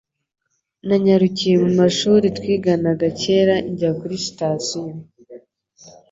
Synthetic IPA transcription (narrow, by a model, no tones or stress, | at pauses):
naɲaɾucije̞mumaʃuːɾitwiːɡanaɡace̞ːɾaʔiɲɟakuɾisi̥tasio